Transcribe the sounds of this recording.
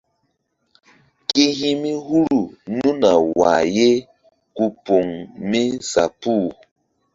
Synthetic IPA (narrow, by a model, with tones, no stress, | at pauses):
ke˦ɦi˦mi˦hu˦ɾu˨nũ˦na˨wa̰˨je˦ | ku˨po˨ŋmi˦sa̰˨pu˦˨